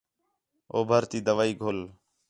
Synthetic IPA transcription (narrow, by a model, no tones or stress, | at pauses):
oːbʱəɾt̪iːd̪əʋaːiːɡʱoːl